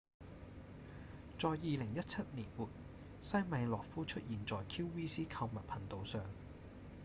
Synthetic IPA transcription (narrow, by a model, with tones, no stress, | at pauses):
t͡sɔː˨jːiː˨˧lɪ˨˩ŋjɐ˥t̚t͡sʰɐ˥t̚niː˨˩nwuː˨˩t̚ | sɐ˥jmɐ˨˧jlɔː˨k̚fuː˥t͡ʃʰɵ˥t̚jiː˨˩nt͡sɔː˨˩jkʰiː˥wwiː˥siː˥kʰɐ˧wmɐ˨t̚pʰɐ˨˩nt̪o˧wsœː˨ŋ